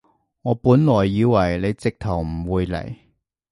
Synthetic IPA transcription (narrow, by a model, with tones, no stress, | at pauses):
ŋɔː˨˧puː˨˥nlɔː˨˩jːiː˨˧wɐ˨˩jle˨˧jt͡sɪ˨k̚t̪ʰɐ˨˩wm̩˨˩wuː˨˧jlɐ̰˨˩j